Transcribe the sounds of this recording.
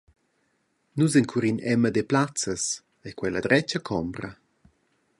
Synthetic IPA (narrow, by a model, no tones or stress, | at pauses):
nuzɛnkʰuɾinɛməd̪eplat͡səs | ɛkwɛləd̪ɾɛt͡ʃəkʰɔmbɾɐ